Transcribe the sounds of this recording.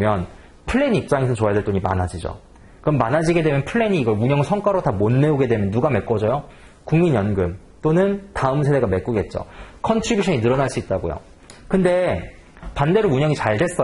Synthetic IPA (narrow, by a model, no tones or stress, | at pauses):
mjʌn | pʰɯɭːe̞ɲiip̚t͡ɕ͈aŋesʰʌt͡ɕoadeɭt͈oɲima̰nɦad͡ʑid͡ʑo̰ | kɯʌmːanad͡ʑiɡe̞dwe̞mjʌnpʰɯɭːeɲiːɡʌɭuɲʌŋɯɭsʰʌŋk͈waɾotamonme̞oɡe̞dwe̞mjʌnːuɡame̞k͈ʌd͡ʑʌjo | kuŋmiɲjʌnɡɯm | t͈onɯntaɯmsʰe̞de̞ɡame̞k͈uɡe̞t̚t͡ɕ͈o̰kʰʌntʰɾibjuɕʰʌɲinɯɾʌnaɭs͈uit̚t͈aɡo̰jo̰ | kɯnde̞ | pande̞ɾouɲʌŋit͡ɕaɭde̞s͈ʌ